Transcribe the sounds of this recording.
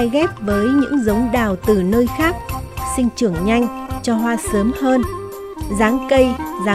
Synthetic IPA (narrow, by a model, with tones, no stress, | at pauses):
jɣɛ˦˥p̚vəː˨˦jɲɨ̰˧˥ŋzə˨˦wŋ͡mɗaː˨˩wt̪ɨ˨˩nəː˧jxaː˦˥k̚sï˧ŋ̟t͡ɕɨ˧˩əŋɲa˧jŋ̟t͡ɕɔ˧ɦwaː˧səː˨˦mhəː˧n | zaː˨˦ŋkə˧jzaː˨˦